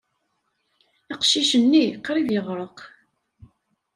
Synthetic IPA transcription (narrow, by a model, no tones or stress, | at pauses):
ɪqʃiʃənːiqːɾiðjəʁɾˤəq